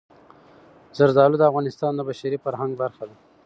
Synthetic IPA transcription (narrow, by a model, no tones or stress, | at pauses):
z̥aɾzɑlud̪əavɣɑnɪst̪ɑnd̪əbaʃaɾifaɾhaŋɡ̚baɾxad̪a